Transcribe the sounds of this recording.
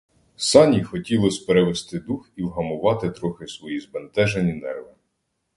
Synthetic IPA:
sɑnʲixɔtʲilˠɔsʲpeɾeʋest̪ɪd̪uxiwɦɐmʊʋɑt̪ɪt̪ɾɔxɪsʋɔjizbent̪ɛʒenʲinɛrʋɪ

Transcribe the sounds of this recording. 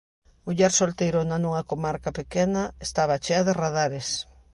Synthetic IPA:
ʊʎaɾsolt̪ejɾʊnɐnuŋakomaɾkapekenɐest̪aβ̞at͡ʃeɐðɪraðaɾes

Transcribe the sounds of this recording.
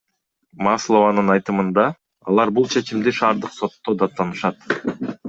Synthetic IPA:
mɑslˠo̞vɑnɯnɑjt̪ɯmɯnd̪ɑ | ɑlˠɑɾbulˠt͡ʃʰe̞t͡ʃimd̪iʃɑːɾd̪ɯqso̞t̪ːo̞d̪ɑt̪ːɑnɯʃɑt̪

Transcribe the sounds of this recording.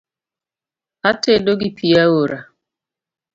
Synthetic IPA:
atedoɡɪpʰijaoɾa

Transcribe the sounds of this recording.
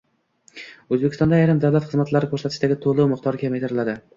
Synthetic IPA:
ɵzbekʰʲɪst̪ɒnd̪aːjɾɪmd̪awlˠat̪χɨzmat̪laɾɪkʰɵɾsat̪ʰɪ̥ʃɪd̪aɡʲɪt̪ʰolˠɪmɪqt̪ʰɒɾkʲʰamet̪ʰɪɾɪlad̪ɪ

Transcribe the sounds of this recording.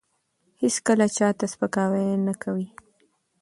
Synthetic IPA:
hɪskəlat͡ʃɑt̪aspəkɑwajnakʰawi

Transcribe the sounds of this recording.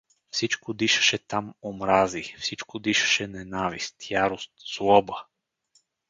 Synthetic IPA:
fsit͡ʃkod̪iʃɐ̥ʃɛt̪amomɾazifsit͡ʃkod̪iʃɐ̥ʃɛnɛnavist̪jaɾost̪slˠɔbə

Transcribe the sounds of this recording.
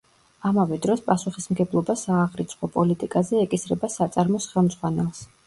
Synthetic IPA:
amavɛd̪ɾɔspʼasuχismɡɛblˠɔbasaːʁɾit̪sʰχɔpʼɔlit̪ʼikʼazɛːkʼisɾɛbasat̪sʼaɾmɔsχɛlˠmd̪z̥ʁwanɛlˠs

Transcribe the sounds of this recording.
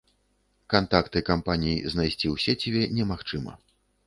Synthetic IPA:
kant̪akt̪ɨkampanʲijiznajsʲt͡sʲiwsʲɛt͡sʲɛbʲɛnʲɛmaxt͡ʂɨmɐ̰

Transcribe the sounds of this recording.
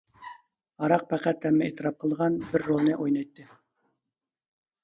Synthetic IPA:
ɑɾɑq̚pʰæqæt̪ʰːæmːɪḛt̪ɪɾɑp̚qʰəlˠʁɑnbɪɾːolˠnɨʔojnɑjt̪ːɨ

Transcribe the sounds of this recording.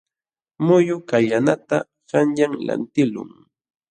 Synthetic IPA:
mʊjʊkaʎanat̪a | ɢɑnʎaŋla̰nt̪ɪlʊ̰ŋ

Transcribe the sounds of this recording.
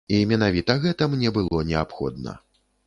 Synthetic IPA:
imʲɛnavʲit̪ɐɣɛt̪ɐmnʲɛbɨlˠɔnʲɛapxɔ̰d̪̚nɐ̰

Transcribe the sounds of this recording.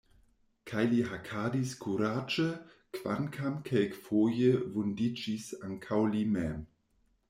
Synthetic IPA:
kʰajliɦakʰadiskʰuɾad͡ʒə | kv̥a̰nkʰamkʰɛlkfoːjəvundid͡ʒisaŋkʰawlimɛm

